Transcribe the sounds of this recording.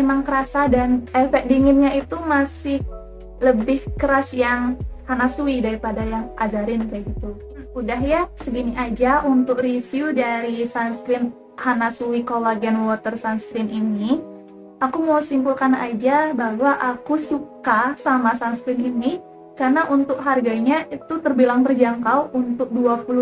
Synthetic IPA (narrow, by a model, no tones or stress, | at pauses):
emaŋkəɾasadanɛfɛk̚diŋɪnɲait̪umasɪh | ləbɪhkəɾasjaŋhanasuidaɾipadajaŋʔad͡ʒaɾɪnkaɡit̪u | udaɦjasəɡiniʔad͡ʒaʔunt̪ʊk̚rifiudaɾisanskɾɪn | hanasuikolaɡɛnwɔt̪ərsanskɾɪnʔini | akumawsiŋkulkanad͡ʒabaɦwaʔakusukasamasanskɾɪnini | karnaʔunt̪ʊk̚ɦarɡaɲait̪ut̪ərbilaŋt̪ərd͡ʒaŋkawʔunt̪ʊk̚duapulʊ